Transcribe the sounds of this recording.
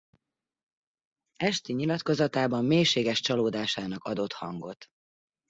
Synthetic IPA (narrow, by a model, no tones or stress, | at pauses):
ɛʃt̪iɲilɒt̪ko̞zɒt̪aːbɒmːeːjʃeːɡɛʃt͡ʃɒloːd̪aːʃaːnɒkɒd̪o̞t̪hɒŋɡo̞t̪